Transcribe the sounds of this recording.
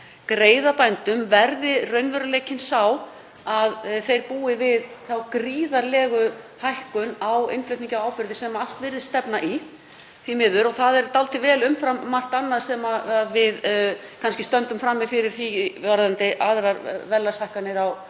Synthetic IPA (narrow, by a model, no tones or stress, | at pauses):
kɾeːjðapajnt̪ʏmvɛɾðɪrœɥnvœɾʏleːjcɪnsaw | aðθejɾpuːɪvɪðθawkɾiːðaɾlɛːɣʏ | hajhkʏnawɪ̰nflʏɥt̪niɲcawaːwpɪɾðɪsɛmaal̥t̪vɪɾðɪ̥st̪ɛpnaʔi | θimɪðʏɾɔɣθaðɛɾt̪alt̪ɪvɛːlʏmfɾamːar̥t̪anːaðsɛmaaðvɪðkʰanscɪst̪œnt̪ʏmfɾamːɪfɪɾɪɾ̥θiaɾðant̪ɪʔaðɾaɾvɛlːashajhkanːɪɾaw